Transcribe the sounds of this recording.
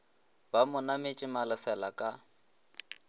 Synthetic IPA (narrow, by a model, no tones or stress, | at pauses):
bamʊnamɪt͡ʃʼɪmalʊsɛlakʼa